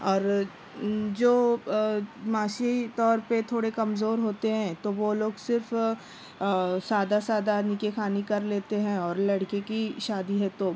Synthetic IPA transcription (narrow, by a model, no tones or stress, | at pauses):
ɔːɾ | d͡ʒoː | maːʃit̪ɔːɾpet̪ʰoːɽekɐmzoːɾɦoːt̪eɦɛ̃t̪oʋoloːɡsɪɾf | saːd̪asaːd̪anikexʰaːnikɐɾleːt̪eɦɛ̃ɔːɾlɐɽkekiʃaːd̪iɦɛ̃t̪oː